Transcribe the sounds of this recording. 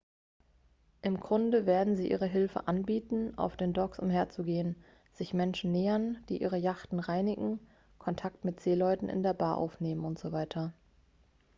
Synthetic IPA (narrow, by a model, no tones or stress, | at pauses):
ʔɪmɡʁʊndəveːɐdn̩ziːʔḭːʁəɦɪlfə̰ʔanbiːtn̩ʔa̰ʊfd̥eːndɔksʔʊ̰mheːɐt͡suɡeːən | z̥ɪçmɛnʃn̩neːɐnd̥iːʔiːʁ̞əjaχtn̩ʁaɪnɪɡŋ̩ | kʰɔntʰak̚tmɪtz̥eːlɔʏtn̩ʔɪ̰ndeːɐbaːʔa̰ʊfneːmənʊntz̥ovaɪtʰɐ